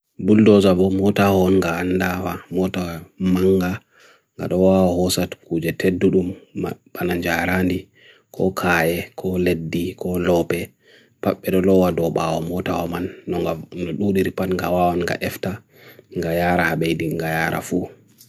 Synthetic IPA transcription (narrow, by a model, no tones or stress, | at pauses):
buldɔzabɔmɔtahɔːnŋɡaːnːdawamɔtamaŋɡa | ŋɡa̰ɗɔwawɔhɔsatkud͡ʒɛtʰedːuɗumab̥anaɲd͡ʒaɾandi | kʰɔ̰kʰaːjɛkʰɔledːikɔlɔpɛ | paɓːɛɗɔlɔwadɔɓawɔmɔtawɔmanːɔnɔɗuɗiɾipanŋɡawawɔnŋɡa̰ʔɛfta | ŋɡajaɾahaɓejdiŋɡajaːɾa̰fu